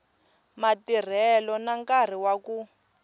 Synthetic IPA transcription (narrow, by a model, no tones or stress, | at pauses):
matir̤ɛlɔnaŋkar̤iwaku